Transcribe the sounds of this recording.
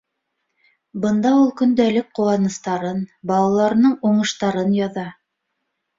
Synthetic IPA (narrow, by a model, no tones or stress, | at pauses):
bɤ̆nd̪ɑulˠkɵ̆nd̪ælɘk̚quwɑnɤ̆st̪ɑɾɤnbɑlˠɑlˠɑɾɤ̆nɤɴuɴɤ̆ʃt̪ɑɾɤnjɑðɑ